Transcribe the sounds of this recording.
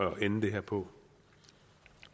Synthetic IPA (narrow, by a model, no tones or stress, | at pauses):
ɒʔenəd̥e̝ɦeɐ̰pʰɒ̽